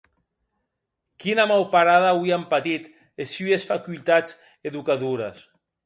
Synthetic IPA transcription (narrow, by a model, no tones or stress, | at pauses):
kinamawpaɾaðawiampat̪it̪ | esyesfakult̪at͡s | eðukaðuɾas